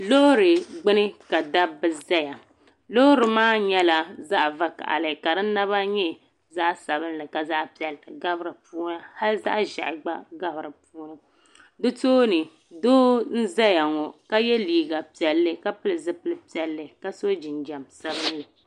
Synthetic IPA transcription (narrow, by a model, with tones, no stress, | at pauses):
lo˦ɾɨ˨ɡ͡bɨ˦nɨ˦ka˨da˦bɨ˨za˦ja˨ | lo˦ɾɨ˨maː˦ɲɛ˦la˦za˦ʔva˦ka̰˨ʔa̰˨lɨ˨ka˨ɾɨ˦na˦βa˦ɲɛ˦ | za˦ʔsa˨bɨ˦n˦lɨ˨ka˨za˦ʔpi˨ɛ˨ltɨ˨ɡa˦bɨ˦ɾɨ˨pu˦na˦ha˦lza̰˦ʔʒa̰˨ʔɡ͡ba˦ɡa˦bɾɨ˨puː˦nɨ˦ | dɨ˦toː˦nɨ˨ | doː˦n̩˦za˦ja˨ŋɔ˨ka˦jɛ˦liː˨ɡa˨pi˨ɛ˨lːɨ˦ka˦pɨ˦lɨ˨zɨ˦pɨ˦lɨ˦pi˦ɛ˨lːɨ˨ka˦so˦d͡ʒɪ˨nd͡ʒa˨msa˨bɨ˦nlɨ˨